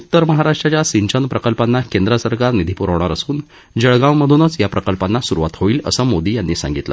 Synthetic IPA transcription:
ut̪ːəɾməɦaɾaʂʈɾat͡ɕjasiɲt͡ɕənpɾəkəlpanːakẽnd̪ɾəsəɾkaɾnid̪ʱipuɾaʋɽɳ̃aɾəsuːn | d͡ʑəɭɡãwməd̪ʱunət͡sjapɾəkəlpanːasuɾuʋat̪ɦoiːlə̰səmod̪iːjanːiːsã̰ŋɡit̪lə̰

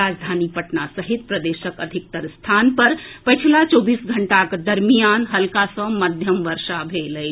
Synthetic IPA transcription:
aːd͡ʒd̪ʱaːnipɐʈnasəɦit̪̚pɾɐd̪eːʃəkəd̪ʱɪk̚t̪əɾst̪ʰaːnpɐɾpɐt͡ʃʰilat͡ʃoːbiːsɡʱəɳʈakd̪ɐɾmijaːnɦɐlkasə̃məd̪ʱjəmʋəɾʃabʱeːləj

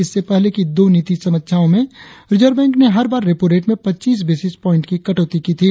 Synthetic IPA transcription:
ɪsːepɛɦlekid̪oːniːt̪isɐmət̪ːʃʰjaːõmẽɾɪd͡ʒəɾbɛ̃ːŋkneɦɐɾbaːɾːepoːɾeːʈmẽpɐtːt͡ʃiːs̬beːsɪspɔːɪ̃ɳʈkikɐʈoːt̪ikiːt̪ʰiː

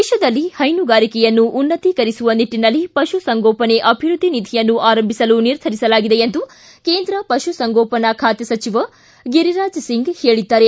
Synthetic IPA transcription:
eʃɐd̪ɐlːihɐjnuɡaːɾikɛjɐnːuʔːnːɐt̪ikɐɾisuʋɐniʈːinɐlːipɐʃusɐŋɡɔːpɐne̞ʔɐbʱiɾud̪ʱːinid̪ʱijɐnːuʔaːɾɐmbʱisɐluniɾd̪ʰʱɐɾisɐlaːɡid̪eent̪u | keːnd̪ɾɐpɐʃusɐŋɡoːpɐnɐkʰaːt̪jɐsɐt͡ʃiʋɐ | ɡiɾiɾaːd͡ʒsiŋɡheːɭid̪ːaːɾe

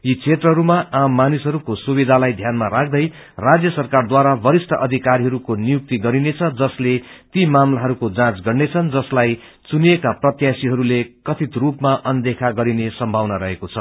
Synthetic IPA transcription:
jit͡sʰet̪rʌɦʌɾumaʔamːanisɦʌɾukosubid̪ʱalajd̪ʱjanmaɾakʰd̪ʌj | rad͡zjʌsʌrkard̪waɾabʌɾisʈʰʌʔʌd̪ʱikaɾiɦʌɾukonijuk̚t̪iɡʌɾinet͡sʰʌd͡zʌslet̪imamlaɦʌɾukod͡zãt͡sɡʌrnet͡sʰʌnd͡zʌslaj | t͡suniekaprʌt̪jasiɦʌɾulekʌt̪ʰit̪rupmaʔʌnd̪ekʰaɡʌɾinesʌmbʱawnaɾʌɦekot͡sʰʌ

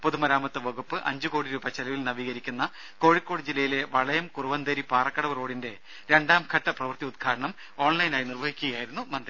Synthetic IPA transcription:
poðumɐɾaːmɐt̪ːɨʋɐɡupːɨʔɐ̰ɲd͡ʑuko̞ːɽiɾuːbɐt͡ɕːɐlɐʋilnɐʋiːɣɐɾikʲːunːɐ | ko̞ːɻikːo̞ːɽid͡ʑilːɐjile̞ʋɐɭɐjɐmkuruʋɐnd̪ɐɾipaːrɐkːɐɽɐmro̞ːɽinde̞ | ɾe̞ɳɖaːmkʰɐʈːɐprɐʋɐrt̪iud̪̚ɡʰaːɽɐɳɐm | o̞ːɳlɐjinaːjinirʋɐɦikʲːuɣɐjaːjiɾunːumɐnd̪ri

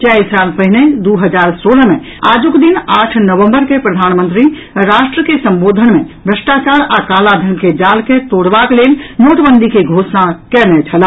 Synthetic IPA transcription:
t͡ʃɛisaːlpəɦɪned̪uɦəd͡ʒaːɾsoːlmẽ | aːd͡ʒʊkd̪inaːʈʰnəʋə̃mbəɾkepɾəd̪ʱaːnmə̃nt̪ɾi | ɾaːʃʈɾəkesə̃mboːd̪ʱənmẽbʱɾəʃʈat͡ʃaːɾakaːlad̪ʱənked͡ʒaːlket̪oːɽʋakleːlnoːʈ̪bənd̪ʱikeɡʱoːsnakɛnɛt͡ʃʰəla

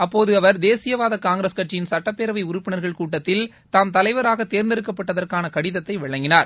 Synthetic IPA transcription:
ɐpːoːðɯɐʋɐɾd̪eːsɪjɐʋaːðɐkaːŋɡɾɐskɐʈt͡ʃːɪjɪnsɐʈːɐpːeːɾɐʋɐɪʊɾʊpːɪnɐɾɣɐɭkuːʈːɐt̪ːɪl | t̪aːmt̪ɐlɐɪʋɐɾaːɣɐt̪ːeːɾnd̪ɛɾɯkːɐpːɐʈːɐðɐrkaːnɐkɐɽɪðɐt̪ːɐɪʋɪɭɐŋɡɪnaːɾ

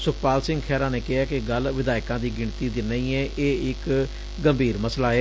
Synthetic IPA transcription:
sʊkʰpaːlsɪ̃ŋɡkʰɛːɾãːneːkɪɦaːkɪɡəlʋɪd̪aːɪkãːd̪iːɡɪɳt̪iːd̪ɪnːəiːɛːʔeːɪk | ɡəmbʱiːɾməslaːɛː

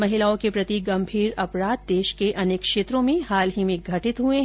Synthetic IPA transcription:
mɐɦɪlaːõkepɾɐt̪iɡɐ̃mbʱiːɾɐpɾaːd̪̚d̪eːʃkeʔɐneːkʃeːt̪ɾõmẽɦaːlɦimẽɡʱɐʈɪt̪ɦue

